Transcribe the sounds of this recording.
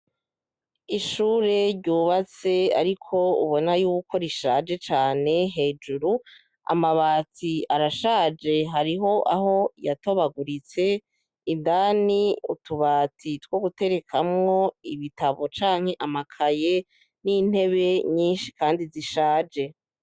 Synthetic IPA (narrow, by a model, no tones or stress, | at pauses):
iʃuːɾe̞ɾɟuːβat͡se̞a̰ɾikʰo̞ṵβo̞najuːkʰo̞ɾiʃaːd͡ʒe̞t͡ʃaːne̞ɦe̞ːd͡ʒuɾu | a̰maβaːtiaɾaʃaːd͡ʒe̞ɦaɾiɦo̞ʔaɦo̞jato̞βaɡuɾit͡se̞ | indaːniutuβaːtitwo̞ɡute̞ɾe̞kʰamŋo̞iβitaβo̞t͡ʃaːŋ̥he̞ʔamakʰaje̞ | nin̥he̞βe̞ɲiːnʃi̥kaːndiziʃaːd͡ʒe̞